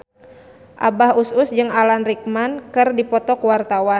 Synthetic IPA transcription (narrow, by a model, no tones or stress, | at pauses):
ʔa̰bahusʊsd͡ʒɨŋalanrik̚mankɨrdipɔt̪ɔkuwart̪awa